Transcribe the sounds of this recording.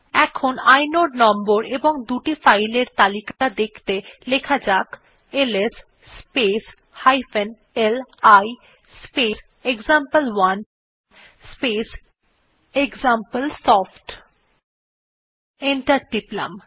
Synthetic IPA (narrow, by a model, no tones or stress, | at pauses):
ɛkʰonajnoɖnɔmboɾeboŋd̪uʈifajleɾt̪alikad̪ekʰt̪elekʰad͡ʑak | eles | spes | hajfen | elaj | spes | eɡzampəlwan | spes | eɡzampəlsɔfʈ | eɳʈaɾɖipla̰m